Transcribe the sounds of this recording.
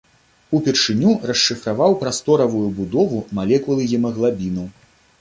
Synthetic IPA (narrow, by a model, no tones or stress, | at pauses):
upʲɛrʂɨnʲurɐʂːɨfɾavawpɾast̪ɔɾɐvujubud̪ɔvumalʲɛkulˠɨjɛmɐɣlˠabʲinɐw